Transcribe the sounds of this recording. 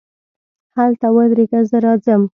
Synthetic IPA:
halt̪awəd̪ɾeɡazəɾɑzəm

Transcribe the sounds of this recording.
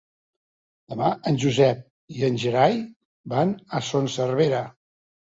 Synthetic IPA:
d̪əmaənʲʒuzɛp̚ | iənʲʒəɾaj | banəsonsərβeɾə

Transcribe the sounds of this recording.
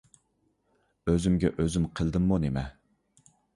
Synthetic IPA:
øzymɡʲɛ̰ʔøzymqʰəlˠd̪ɨmːunemɛ

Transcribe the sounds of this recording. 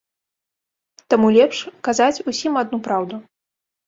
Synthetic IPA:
t̪amulʲɛpʂkazat͡sʲusʲimad̪̚nupɾawd̪u

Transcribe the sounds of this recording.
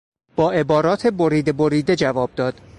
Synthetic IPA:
b̥ɒːʔe̞bɒːɾɒːt̪ʰe̞boɾiːd̪eboɾiːd̪ed͡ʒævɒːb̥̚d̪ɒːd̪̥

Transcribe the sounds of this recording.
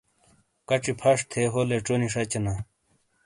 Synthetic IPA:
kɐʈ͡ʂipʰɐʂt̪ʰeɦoleʈ͡ʂoniʂɐt͡ɕɐna

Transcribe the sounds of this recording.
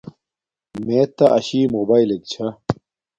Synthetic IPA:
meːt̪ɐʔɐɕiːmoːbaːilek̚t͡ɕʰɐ

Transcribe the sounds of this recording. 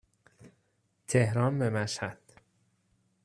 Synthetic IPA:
t̪ʰehɾɒːnbemæʃæd̪̥

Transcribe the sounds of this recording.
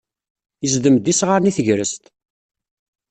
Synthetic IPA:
jəzd̪əmd̪isʁaɾniθəʝɾəst̪

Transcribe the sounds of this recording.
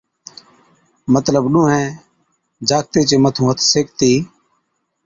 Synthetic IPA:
mət̪ləbɗũːɦɛ̃ː | d͡ʒaːk̚t̪eːt͡ʃeːmət̪ʰũːɦət̪ʰseːkt̪iː

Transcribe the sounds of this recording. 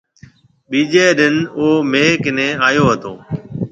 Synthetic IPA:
ɓiːd͡ʒeːɗɪnoːmeːkɪnẽːaːjoːɦət̪oː

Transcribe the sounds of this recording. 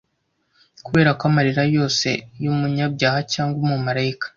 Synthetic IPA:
kuβe̞ːɾakwamaɾiɾajo̞ːse̞̰jumuɲabɟaːhacaːŋɡwomumaɾajikḁ

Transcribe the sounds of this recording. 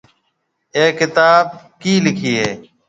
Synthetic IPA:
eːɪt̪aːb̚kiːlɪkʰiːɦeː

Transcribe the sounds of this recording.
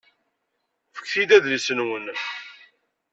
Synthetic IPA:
fə̥kθid̪æðlisənwən

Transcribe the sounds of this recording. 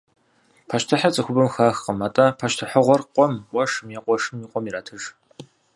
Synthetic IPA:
pʰaʃtʰɐħat͡sʼɨxʷʊbɨmxaːxqəmaːtʼɐpʰaʃtʰɨħəʁʷɔrqʷʼɔmwɐʂɨmjeqʷʼɔʂɨmiːqʷʼɔmiɾaːtʰɨʒ

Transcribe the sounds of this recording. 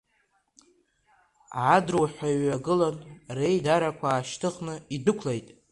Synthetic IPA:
ʕadrwħʷᶣajɥaɡɨlanre̞jdaɾakʷʰaːʃtʰɨχnɨidɨkʷʰlejtʼ

